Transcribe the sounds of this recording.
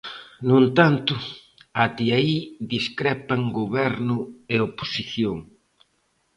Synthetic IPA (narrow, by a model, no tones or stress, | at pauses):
nunt̪ant̪ʊ | at̪iaiðiskɾɛpɐŋɡoβɛɾnʊeopo̥siθjoŋ